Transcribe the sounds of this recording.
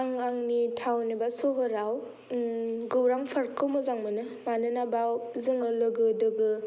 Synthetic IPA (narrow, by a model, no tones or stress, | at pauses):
aŋaŋnitʰawnibasoɦɯɾaw | ɡɯwɾaŋpʰaɾkːɯmɯzaŋmɯnɯ | manɯnabawzɯŋɯlɯɡɯdɯɡɯ